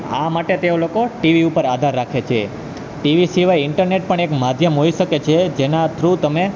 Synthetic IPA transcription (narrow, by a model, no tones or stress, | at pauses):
a̰maʈet̪eolokoʈiʋiupəɾad̪ʱaɾːakʰet͡ʃʰe | ʈiʋisiʋajɪɳʈəɾneʈ̚pəɳekmad̪ʱjəmɦoiʃəket͡ʃʰed͡ʒenat̪ʰɾut̪əme